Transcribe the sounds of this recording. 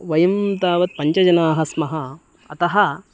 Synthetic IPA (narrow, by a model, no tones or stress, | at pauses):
ʋɐjɐmt̪aːʋɐt̪̚pɐɲt͡ʃɐd͡ʒɐnaːɦɐsmɐɦɐ | ɐt̪ɐɦɐ